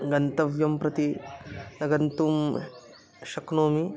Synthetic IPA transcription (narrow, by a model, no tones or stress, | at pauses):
ɡɐnt̪ɐʋjɐmpɾɐt̪inɐɡɐnt̪um | ʃɐknoːmi